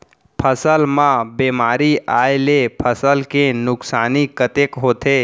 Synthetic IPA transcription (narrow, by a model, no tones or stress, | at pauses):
pʰəsəlmãbemaːɾiajlepʰəsəlkenʊksaːnikət̪ekɦoːt̪e